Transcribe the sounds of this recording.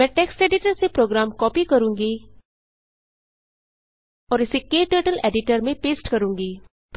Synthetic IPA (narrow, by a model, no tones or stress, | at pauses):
mɛ̃ːʈɛːksʈɛːɖɪʈəɾseːpɾoːɡɾaːmkɔːpiːkəɾũːŋɡiː | ɔːɾɪsekeːʈəːʈəlɛ̰ːɖɪʈəɾmẽpeːsʈkəɾũːŋɡiː